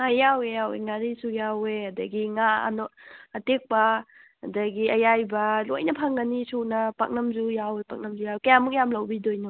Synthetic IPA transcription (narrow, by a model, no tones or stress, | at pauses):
ajawejawḛŋaɾisujawehɐdɐɡiŋaɐ̰noɐtek̚pɐ | ɐdɐɡiɐjajbɐlojnɐpʰaŋɡɐnisunɐpa̰k̚nɐmzujawepak̚nɐmzujawekɐjamuk̚jamlɐwbidojno